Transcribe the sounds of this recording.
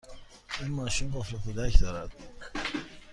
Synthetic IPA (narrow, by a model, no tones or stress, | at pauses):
inmɒːʃimbofekʰod̪æcʰd̪ɒːɾæd̪̥̚